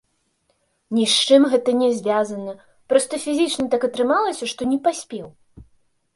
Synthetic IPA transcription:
nʲiʂt͡ʂɨmɣɛt̪ɐnʲɛzʲvʲazɐnɐ | pɾɔst̪ɐfʲizʲit͡ʂnɐt̪akɐt̪ɾɨmalˠɐsʲɐʂt̪ɔnʲɛpasʲpʲɛw

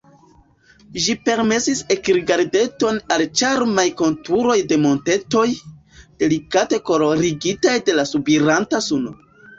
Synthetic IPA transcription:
ʒipe̞ɾme̞sise̞kɾiɡaɾde̞to̞nalt͡ʃaɾmajko̞ntuɾo̞jde̞mo̞nte̞to̞j | d̥e̞likate̞ko̞loɾiɡitajde̞lasubiɾantasuno

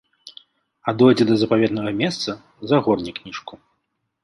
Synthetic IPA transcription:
ad̪ɔjd͡zʲɛd̪ɐzɐpavʲɛd̪nɐɣɐmʲɛst̪sɐ | zaɣɔrnʲiknʲiʂku

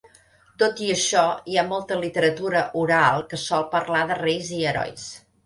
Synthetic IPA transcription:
t̪ot̪iəʃɔiamɔlˠt̪əlit̪əɾət̪uɾəʔuɾalˠkəsɔlˠpəɾlaðərejziəɾɔ̰js

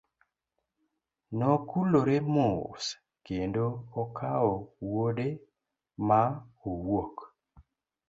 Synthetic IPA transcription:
nɔkuloɾemos | kendoɔkʰaowode | maowok

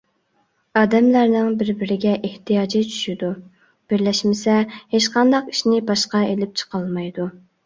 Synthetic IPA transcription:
ɑːd̪ɛmlæɾnɪŋbɪɾbɪɾɪɡʲɛʔeht̪ʰijɑːd͡ʒit͡ʃʰy̥ʃɪd̪u | b̥ɪɾlɛʃmɪsɛheʃqɑnd̪ɑqi̥ʃnɪbɑʃqɑelɪp̚t͡ʃʰə̥qʰɑlˠmɑjd̪u

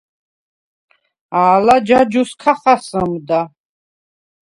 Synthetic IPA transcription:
aːlad͡ʒad͡ʒuskʰaχasəmd̪a

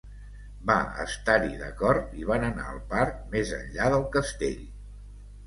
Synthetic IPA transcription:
ba̰ə̰st̪aɾiðəkɔrt̪iβ̞anəna̰əlˠpaɾk̚mezə̰nʎaðəlˠkəst̪ḛʎ

